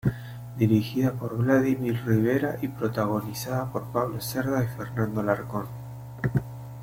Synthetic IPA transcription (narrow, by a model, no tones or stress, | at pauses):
d̪iɾixiðapo̞ɾβlaðimiɾriβ̞e̞ɾaʔipɾo̞t̪aɣo̞nisaðapo̞ɾpaβlo̞seɾðaife̞ɾnãnd̪o̞laɾko̞n